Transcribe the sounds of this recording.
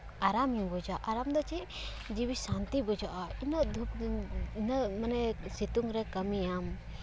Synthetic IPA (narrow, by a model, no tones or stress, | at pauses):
aɾamjũbɔd͡ʒaʔaɾamd̪ɔt͡ʃi | d͡ʒiwisãnt̪ibɔd͡ʒaʔainəd̪ʱup̚nəmanɛsit̪uŋɾɛkəmijam